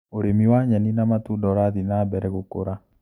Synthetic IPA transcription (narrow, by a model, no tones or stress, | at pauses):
oɾemiwaɲaninamatudɔɾaðinabɛɾɛɡokoɾa